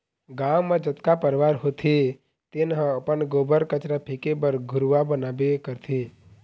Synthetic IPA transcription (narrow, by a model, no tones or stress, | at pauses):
ɡawmãd͡ʒət̪kapəɾʋaɾɦot̪ʰe | t̪enɦə̃əpənɡobəɾkət͡ʃɾapʰekebəɾɡʱʊɾʋabənabekəɾt̪ʰe